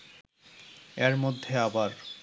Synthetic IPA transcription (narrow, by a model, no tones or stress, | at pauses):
eɾmod̪ʱːeabaɾ